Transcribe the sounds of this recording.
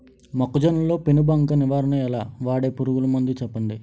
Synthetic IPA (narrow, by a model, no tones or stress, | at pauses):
mɐkːud͡ʒɐnɐlo̞ːpenubɐŋkɐniʋaːɾɐnɐɛlaːʋaːɽeːpuɾuɡulɐmund̪it͡ʃɛpːɐɳɖi